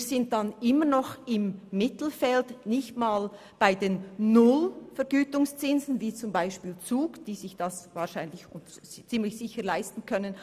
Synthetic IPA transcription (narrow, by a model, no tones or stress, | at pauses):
iɾzɪnt̚d̥anɪmənɔχɪmːɪtl̩fɛltnɪçtmaːl | b̥aɪdeːnnʊlfɛɾɡyːtʊŋst͡sɪnzn̩viːt͡sʊmbaɪʃpiːlt͡suːɡd̥iːzɪçd̥asvaːɾʃaɪnlɪçʊnt | t͡siːmlɪçsɪçəlaɪstn̩kʰœnən